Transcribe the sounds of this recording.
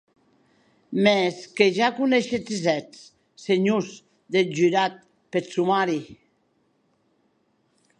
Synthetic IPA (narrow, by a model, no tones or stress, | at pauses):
mɛskeʒakuneʃet͡siz̬ɛt͡s | seɲuz | d̪ed͡ʒyɾat̪̚ | pesumaɾi